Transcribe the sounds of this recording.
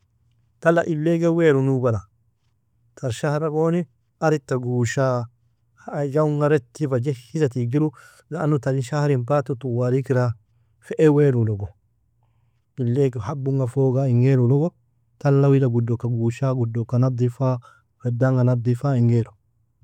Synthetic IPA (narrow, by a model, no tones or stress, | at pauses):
t̪ɐlɐʔɪlːeɡɛweːɾʊnubɐla | t̪ʰɐɾʃahɾɐkoːnɪ | ɐɾɪt̪ːɐɡuːʃaː | hjɐʊŋɡɐɾɛt̪ːifɐd͡ʒɛhɪsɐt̪iɡɪɾʊ | zaʔːnʊt̪ɐlɪʃahɾɪmpaːt̪ːʊt̪ʊwaɾikɪɾa | fɛʔɛweːɾulɔɡɔ | ɪlːeːɡhɐbːʊŋɡɐfoːɡaɪŋɡeːɾʊlɔɡɔ | t̪ɐlːɐwɪlɐɡʊdːɔkːɐɡuːʃaːɡʊdːɔkːɐnab̚d̪ɪfaː | fɛd̪ːaŋɡɐnɐb̚d̪ɪfaːɪŋɡeːɾɔ